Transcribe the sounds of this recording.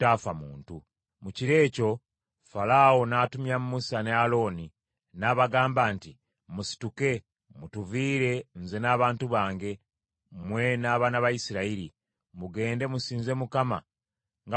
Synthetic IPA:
taːfamuːntu | muciɾe̞ːco̞ | falawonaːtumjamumusane̞alo̞ːni | naːβaɡaːmbaːnti | musi̥tuke̞ | mutuviːɾe̞nzenaːβaːntuβaːŋɡe̞ | mwe̞naːβanaβajisiɾaiɾi | muɡe̞ːnde̞musiːnze̞mukama | ŋɡa

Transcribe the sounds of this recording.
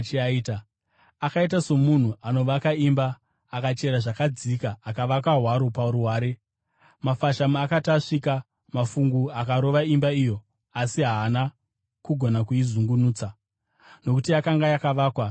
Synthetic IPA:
t͡ʃiaiːta | akait̬aso̞mun̤uʔano̞ʋakaimbaː | kat͡ʃe̞ɾaʐakad͡zikaːkaʋakaɦwaɾo̞pauɾuɦaːɾe̞ | mafaʃamuakataʂika | mafuŋɡuakaɾo̞ʋaimbaijo̞ | asiɦaːna | kuɡʱo̞nakuizuŋɡunuːt͡sa | no̞kutijakaŋɡajakaʋaːkwa

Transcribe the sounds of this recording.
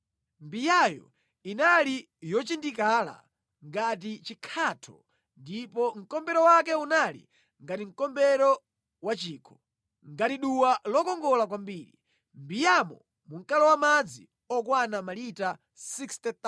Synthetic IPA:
mbijajɔ̰ | inali | jɔt͡ʃindikala̰ | ŋɡat̬it͡ʃikʰatʰɔ̰ | ndipɔŋ̩kɔmbɛɾɔwakɛunalḭ | ŋɡatiŋ̩kɔmbɛɾɔ | wat͡ʃiːkʰɔ̥ | ŋɡatiɗuwalɔkɔŋɡɔlakwambiːɾḭ | mbijamɔ | muŋ̩kalɔwamad͡zi | ɔkwanamalita | sikstɛt̪a

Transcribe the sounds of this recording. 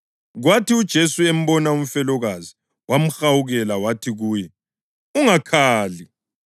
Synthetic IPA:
ɣwatiud̥ʒ̥ʱesuem̩bɔnaum̩fɛlɔɣazi | wam̩xawuɣɛlawatʰiɣuːjɛ | uŋakʰaːli

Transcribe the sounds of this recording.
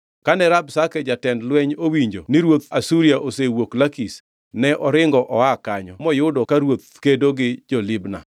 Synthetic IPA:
kanɛɾabsakɛd͡ʒatɛndlwɛɲowiɲd͡ʒonɪɾwot̪asuɾiaʔosewoklakis | nɛʔɔɾɪŋɡɔʔɔakaɲɔmɔjʊdɔkaɾwot̪̚kedoɡɪd͡ʒɔlɪbna̰

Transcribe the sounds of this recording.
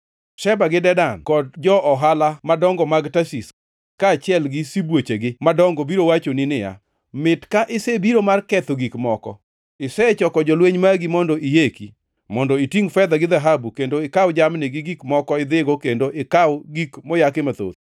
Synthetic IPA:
ʃɛbaɡɪdɛdankɔd̚d͡ʒɔʔɔɦalamadɔŋɡɔmaɡtasis | kaːt͡ʃɪɛlɡɪsibwot͡ʃeɡɪmadɔŋɡɔbiɾowat͡ʃonɪnɪja̰ | mɪtkaʔɪsebiɾomarkɛt̪oɡikmɔkɔ̰ | ɪsɛt͡ʃɔkɔd͡ʒɔlweɲmaɡimɔndɔʔijeki | mɔndɔitiŋfɛd̪aɡɪd̪aɦabukendoɪkawd͡ʒamnɪɡɪɡikmɔkɔɪd̪ɪɡokendoʔɪkawɡikmɔjakɪmat̪o̰t̪

